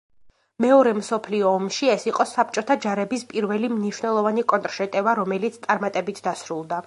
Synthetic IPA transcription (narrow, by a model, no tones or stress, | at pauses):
mɛɔɾɛmsɔpʰliɔːmʃiɛsiqʼɔsap̚ʰt͡ʃʼɔt̪ʰad͡ʒaɾɛbispʼiɾvɛlimniʃwnɛlˠɔvanikʼɔnt̪ʼɾʃɛt̪ʼɛvaɾɔmɛlit̪sʰt̪sʼaɾmat̪ʼɛbit̪ʰd̪asɾulˠd̪a